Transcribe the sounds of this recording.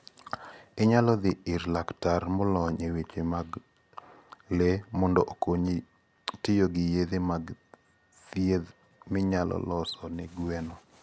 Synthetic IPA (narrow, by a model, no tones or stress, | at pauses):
ɪɲalɔd̪ɪɪɾlaktarmɔlɔɲewet͡ʃemaɡ | lemɔndɔʔokoɲi | tɪjoɡɪjed̪emaɡ | tjed̪ | mɪɲalɔ̰lɔsɔnɪɡwɛnɔ